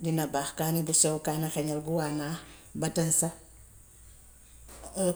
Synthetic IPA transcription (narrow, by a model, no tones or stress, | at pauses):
dinɐbaːxkaːnibusɛwkaːnɐxɛɲɐlɡuwaːnaː | bɐtɐnsɐ